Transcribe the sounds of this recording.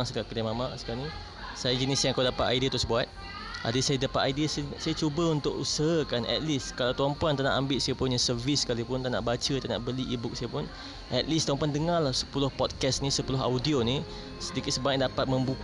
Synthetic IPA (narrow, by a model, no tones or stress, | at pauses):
ŋsəkaʔkədamamaʔsə̥kalni | sajad͡ʒənisjaŋkadapat̪a̰jdiat̪ʊsbuat̪̚ | a̰dəsajadapat̪ajdiassajat͡ʃubəunt̪ʊkusaɦakanʔɛ̰t̪̚liskalawt̪ampuant̪anaʔambɪʔ̪̚sajapʊnjasərviskalipʊnt̪aʔna̰ʔbat͡ʃət̪aʔna̰ʔbəliʔibʊk̚sajapʊn | ɛ̰t̪̚list̪ɔmpuandəŋalahsə̥pulʊhpɔt̪̚kɛsnisəpulʊɦa̰wdioni | sədikɪt̪̚səbaɲak̚dapat̪̚mə̃mbu